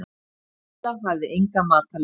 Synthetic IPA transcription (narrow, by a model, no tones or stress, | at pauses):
aavðɪʔejŋkamaːt̪al